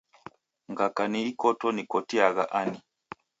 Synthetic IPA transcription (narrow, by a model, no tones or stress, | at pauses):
ŋɡakaniikɔtɔnikɔtiaɣaʔani